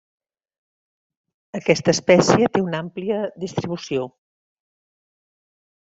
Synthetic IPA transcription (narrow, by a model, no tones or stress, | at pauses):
əkɛst̪əːspɛsiət̪eunampliəðist̪ɾiβusio